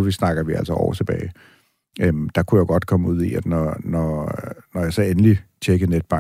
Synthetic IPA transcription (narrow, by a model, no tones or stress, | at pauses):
isnɑ̈ɡ̥ɐʋiæl̰səɒ̰ʊt͡sʰe̝b̥ɛ̰ːɪ | ømd̥ɑ̈kʰujaɡ̥ɒ̽d̥kʰɒ̽məuð̞̰ˠiæd̥nɒnɒnɒjɑ̈ɪsɒ̽enəlit͡ɕʰeɡ̥əned̥̚b̥ɑ̈